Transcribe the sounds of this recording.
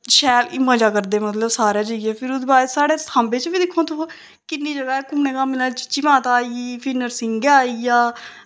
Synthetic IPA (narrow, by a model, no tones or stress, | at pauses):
ʃɛːlɪməd͡ʒaːkəɾd̪eːmət̪ləbsaːɾjaːd͡ʒəɡɛːpʰɪɾʊd̪baːesaːɽeːsʰãːmbeːt͡ʃbiːd̪ɪkʰːõːt̪ʰoː | kɪnːiːd͡ʒəɡaːɛːkʊmnẽːkamːnaːlːt͡ʃɪ̥t͡ʃiːmãːt̪aːiːiːpʰɪnəɾsɪŋɡaːiːjaː